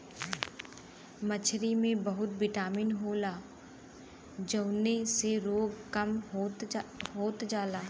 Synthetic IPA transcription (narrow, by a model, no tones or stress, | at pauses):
mət͡ʃʰɾimẽbɐɦʊt̪̚bɪʈaːmɪnɦoːlaː | d͡ʒəʊneseɾoːɡkɐm | ɦoːt̪d͡ʒaːlaː